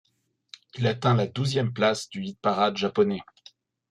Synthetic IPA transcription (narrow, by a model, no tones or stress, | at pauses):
ilat̪ɛ̃lad̪uzjɛmplasd̪yid̪̚paʁad̪ʒapɔnɛ